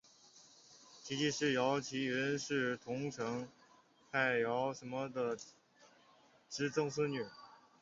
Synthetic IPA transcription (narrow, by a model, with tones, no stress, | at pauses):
t͡ɕʰi˧˥t͡ɕi˥˧ʂɻ̩˥˩jɑ˧˥ʊt͡ɕʰi˧˥ɥɛ˧˥nʂɻ̩˥˩t̪ʰʊ˧˥ŋʈ͡ʂʰɤ˧˥ŋ | ta˥˩ɪjɑ˧˥ʊʂə˧˥nmə˧d̪ə˨˩ | ʈ͡ʂɻ̩˥ʈ͡ʂʊ˥ŋswə˥ny˥˩